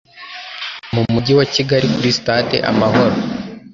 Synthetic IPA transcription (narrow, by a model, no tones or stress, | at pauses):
mumuɟiwaciɡaɾikuɾistaːtḛʔa̰maho̞ɾo